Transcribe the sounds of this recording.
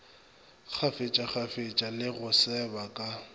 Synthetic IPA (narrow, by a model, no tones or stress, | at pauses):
k͡xʰafet͡ʃʼak͡xʰafet͡ʃʼalɪɣʊsɛbakʼa